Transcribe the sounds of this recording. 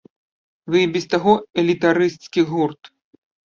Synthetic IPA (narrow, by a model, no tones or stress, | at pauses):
vɨbʲist̪aɣɔɛlʲit̪aɾɨst̪skʲiɣurt̪